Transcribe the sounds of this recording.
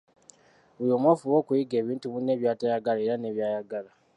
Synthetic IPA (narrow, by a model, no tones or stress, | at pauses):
βujoːmwofuwo̞ːkujiɡe̞ːβiːntuβune̞ːβjaːtajaɡalaeɾane̞βjaːjaɡala